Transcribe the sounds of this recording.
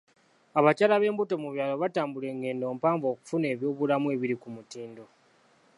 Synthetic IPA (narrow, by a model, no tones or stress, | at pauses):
aβacaːlaβe̞ːmbutomuβjaːlo̞βataːmbule̞ːŋɡe̞ːndo̞ːmpaːmvo̞ːku̥fune̞ːβjo̞ːβulamue̞ːβiɾikumutiːndo̞